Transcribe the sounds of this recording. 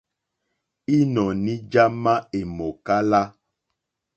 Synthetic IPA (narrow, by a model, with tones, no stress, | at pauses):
i˦nɔ˨nĩ˦d͡ʒa˦ma˦e˨mo˨ka˦la˦